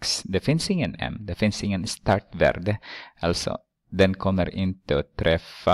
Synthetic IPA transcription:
ksd̪ɛfɪnsɪŋːənɛ̰md̪ɛfɪnsɪŋːənst̪ɑːʈvæ̰ːɾɖ̪əʔalsɔ̰ | d̪ɛnkʰɔmːəɾɪnt̪əot̪ʰɾɛfːa

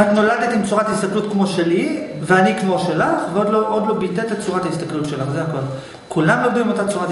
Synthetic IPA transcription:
atno̞ladet̪imt͡suʁataist̪aklutkmo̞ʃe̞liveanikmo̞ʃelaχveod̪loʔod̪lo̞bitet̪et͡suʁat̪aist̪aklutʃe̞laχzeako̞l | kulamlolduimo̞tat͡suʁat

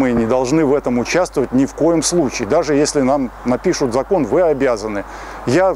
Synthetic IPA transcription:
mɨnʲɪd̪ɐlˠʐnɨvɛt̪əmʊt͡ɕast̪vəvətʲnʲɪfko̞jɪmslˠut͡ɕɪːd̪aʐɨjesʲlʲɪnamnɐpʲiʂʊt̪zɐko̞nvɨɐbʲazənɨ | ja

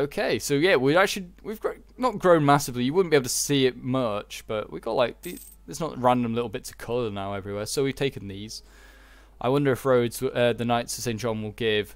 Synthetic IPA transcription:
oʊkʰeɪsoʊjæwiak̚t͡ʃl̩iwivɡ | nət̚ɡ̥ɹõʊ̃nmasɨvlijəwʊdⁿn̩b̥ieb̩ˠtʰəsiɪt̚mʌt͡ʃb̥ʌʔwiɡ̥ɔʔlaɪk̚ði | ɪtsnəʔɹãndə̃mlɪɾl̩ˠbɪtʰə̥kʰʌlˠənaʊɛvɹiwɛːsoʊwiv̥tʰeɪkɨ̃nðiz̥ | ʔaɪwʌ̃ndə˞ɨfɹoʊdz̥ʌðənaɪtsʰə̥sẽɪ̃n̥ʒɒ̃nwɪlˠɡɪv̥

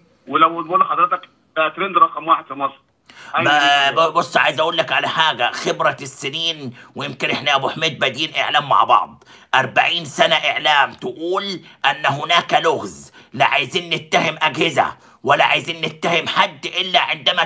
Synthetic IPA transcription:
welæwnbuːlːħɑd̪ˤɾet̪ɑk | æt̪ɾend̪ɾˤɑqɑmwaːħed̪̥fɪmɑsˤɾ | bosˤːʕa̰jɪzʔæʔuːlːækʕalæħaːɡæxɪbɾæsːɪniːnwɪjɪmkɪnʔeħnæʔæbuħmeːd̪̚bæd̪iːnʔɪʕlæːmːa̰ʕbɑ̰ʕd̪ˤ | ʔɑɾˤba̰ʕiːnsænæʔɪʕlæːmt̪ɪʔuːlʔænːæɦʊnæːkælʊɣzlɪʕajziːnːɪt̪ːahɪmʔæɡhɪzæ̰ | wælːaʕajziːnːɪt̪ːahɪmħad̪ːʔɪlːæʕɪnd̪æmæ

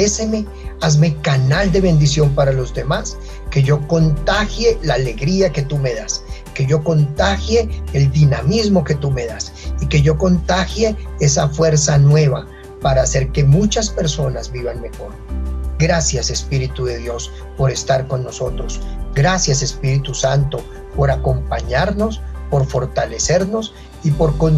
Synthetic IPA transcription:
ese̞me̞ | azmekanald̪eβe̞nd̪isjo̞mpaɾalo̞zd̪e̞mas | ke̞ʝo̞ko̞nt̪axje̞laːle̞ɣɾiake̞t̪ume̞ðaske̞ʝo̞ko̞nt̪axje̞ːld̪inamizmo̞ke̞t̪ume̞ðas | ike̞ʝoko̞nt̪axje̞esafwe̞ɾsanwe̞βa | paɾaːse̞ɾke̞mut͡ʃaspe̞ɾso̞nazbiβanme̞xo̞ɾɡɾasjase̞spiɾit̪uðe̞ðjo̞s | po̞ɾe̞st̪aɾko̞nːo̞so̞t̪ɾo̞sɡɾasjase̞spiɾit̪usant̪o̞ | po̞ɾako̞mpaɲaɾno̞spo̞ɾfo̞ɾt̪ale̞se̞ɾno̞s | ipo̞ɾkon

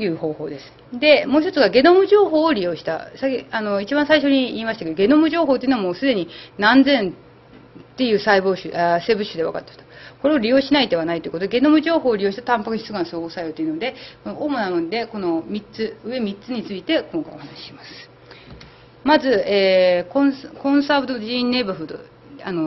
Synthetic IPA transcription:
jɯ̟ːho̞ːhoːd̪e̞sɨ̥d̪e̞mo̞ːçit̪o̞t͡sɨɡaɡe̞no̞mɯ̟ʑo̞ːɦo̞ːoɾʲijo̞ːɕi̥t̪a̰sakʲano̞it͡ɕibãsaiɕo̞ɲ̟iiːmaɕi̥t̪akeoɡe̞no̞mɯ̟ʑo̞ːɦoːt̪eɯnoamoːsɨd̪e̞ɲ̟inãnd͡zẽ̞n | t̪e̞jɯ̟ːsaiboːɕɨʔase̞ːbɯ̟ɕɨd̪e̞βa̰ka̰t̪ːeɯ̥t̪ko̞ɾe̞o̞ɾʲijo̞ːɕinaid̪e̞βanait̪oiɯkot̪od̪eɡe̞nomɯ̟ʑo̞ːɦo̞ːɾʲijo̞ːɕi̥t̪ḁt̪ãmpakɯ̟ɕi̥sɨɡãnsoːɡosajot̪oiɯ̟nod̪e̞ko̞noʔoːmo̞namõnd̪e̞ko̞no̞mʲit͡sɨɯe̞mʲit͡sɨɲ̟it͡sɨit̪e̞kõ̞ŋkaḭohanaɕi̥ɕimasɨ̥ | mazɨeːkõkõ̞ɰ̃sabɯ̟t̪oʑinːe̞bɯɸɯ̟d̪o̰ | ano

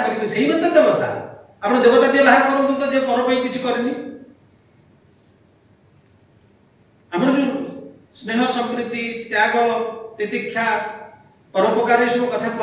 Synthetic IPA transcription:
tɔkit̪useɦibɔnd̪ɔd̪ebɔt̪ʰa̰ | amɔɽ̃ɔd̪ebɔt̪ad̪iɔlaɦaɾɔkɔɾɔnt̪ut̪ɔd͡ʒepɔɾɔpɔĩkit͡ʃʰikɔɾini | amɾɔɾusneɦɔsɔmkɾut̪it̪jaɡɔt̪et̪ikʰːja | pɔɾɔpɔkaɾɔisɔbukɔt̪ʰapɾɔ

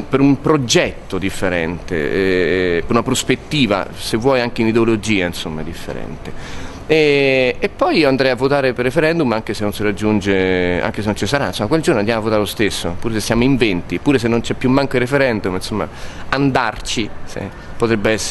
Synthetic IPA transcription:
peɾumpɾod͡ʒɛt̪ːod̪ifːeɾɛ̰nt̪ḛɛpeɾunapɾospet̪ːiːva̰sevːwɔːjaŋk̟einid̪eolod͡ʒiːainsomːad̪ifːḛɾɛ̰nt̪e | ɛepːɔjiːoand̪ɾɛjavːot̪aːɾeperːefeɾɛnd̪umaŋk̟esenːonsiɾad͡ʒːund͡ʒea̰ŋkes̬enont͡ʃisaɾajnsomːakweld͡ʒornoand̪jamavːot̪aɾelost̪esːopuːɾes̬esːjaːmoiɱvɛnt̪ipːuːɾes̬enːont͡ʃɛpːjumːaŋkairefeɾɛnd̪umnsomːa̰and̪art͡ʃisḛ | pot̪ɾɛbːeɛsː

